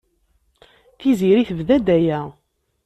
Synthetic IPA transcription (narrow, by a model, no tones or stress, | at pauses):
θiziɾiθəvðæd̪æjæ